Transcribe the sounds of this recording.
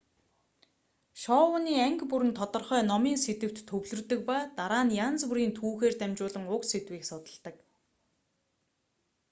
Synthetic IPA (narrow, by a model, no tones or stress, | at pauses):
ʃɔːwə̆niːæŋkpuɾɘ̆nt̪ʰɔt̪ɞ̆rχœːnɔmiːnset̪ɘ̆kt̪ʰːɵwɮɵ̆rt̪ɵ̆k̚paːt̪aɾaːnjant͡spuɾiːnt̪ʰuːxeːrt̪æmt͡ɕʊːɮə̆ŋʊkset̪wiːksɔt̪ə̆ɮt̪ə̆k